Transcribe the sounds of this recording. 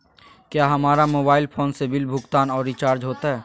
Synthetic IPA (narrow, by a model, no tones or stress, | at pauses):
kjaːɦɐmaːɾamoːbaːɪlpʰoːnsebɪlbʱʊɡt̪aːnɔːɾːɪt͡ʃaːɾd͡ʒɦoːt̪aɦɛː